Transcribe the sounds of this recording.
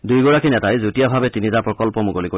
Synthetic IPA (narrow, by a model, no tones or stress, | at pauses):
dujɡɔɹakinɛtajzutijabʱabɛtinitapɹɔkɔlpɔmuɡoliko